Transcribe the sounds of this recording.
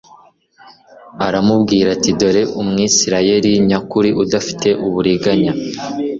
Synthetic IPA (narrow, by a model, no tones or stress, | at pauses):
aɾamubɡiːɾatido̞ɾe̞ʔumŋiːsiɾaje̞ɾiɲakuɾiʔudafi̥te̞ʔuβuɾiɡaɲa